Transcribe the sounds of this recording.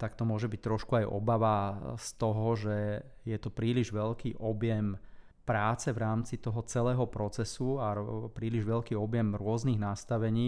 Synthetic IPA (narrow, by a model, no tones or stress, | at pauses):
t̪akt̪ɔmʊɔʒɛbic̚t̪ɾɔʃkuajʔɔ̰baʋast̪ɔɦɔʒɛ | jɛt̪ɔpɾiːliʒʋɛʎkiːʔɔbjɛm | pɾaːt͡sɛvɾaːmt͡sit̪ɔɦɔt͡sɛlɛːɦɔpɾɔt͡sɛsuapɾiːliʒʋɛʎkiːɔbjɛmɾʊɔzniɣnast̪aʋɛɲiː